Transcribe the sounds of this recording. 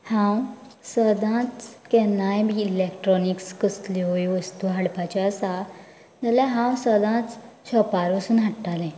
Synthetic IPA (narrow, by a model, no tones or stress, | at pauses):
hãw | səd̪ʱãt͡skɛnːajbiilekʈɾɔnikskəsliojʋəst̪uɦaɽpat͡ɕaəsa | d͡zalaɦãwsəd̪ʱãt͡s | ɕɔpaɾʋəsuːnɦaʈːalɛ̃